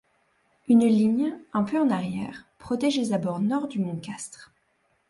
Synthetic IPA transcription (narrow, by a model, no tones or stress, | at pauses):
ynliɲɛ̃pøɑ̃naʁjɛːʁpχɔt̪ɛʒezabɔʁnɔʁd̪ymɔ̃kʲast̪χ